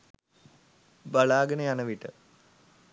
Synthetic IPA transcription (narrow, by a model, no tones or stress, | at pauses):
baɭaːɡənəjanɐʋiʈə